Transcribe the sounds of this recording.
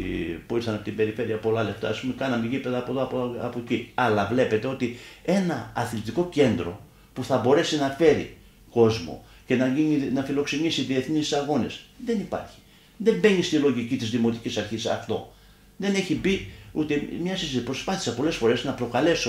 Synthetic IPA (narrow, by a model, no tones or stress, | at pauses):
puiɾθɐnɐpot̪imbe̞ɾife̞ɾiɐpo̞lɐle̞ft̪ɐ̰ːspumekɐnɐmeʝipe̞ðɐːpoðɐpoɐpociɐlɐvle̞pe̞t̪e̞o̞t̪ie̞nɐɐθlit̪iko̞ce̞nd̪ɾo̞̰ | puθɐbo̞ɾe̞sinɐfe̞ɾḭ | ko̞zmo̰ | ce̞nɐininɐfilo̞ksenisiðie̞θnissɐɣo̞nesðe̞nipɐ̰ɾçi̥ | ðe̞mbe̞ɲist̪ilo̞ʝicit̪izðimo̞t̪icisɐɾçisɐ̰ft̪o̞ | ðe̞neçibiut̪emɲɐsispɾo̞spɐθi̥sɐpo̞le̞sfo̞ɾe̞znɐpɾo̞kɐle̞so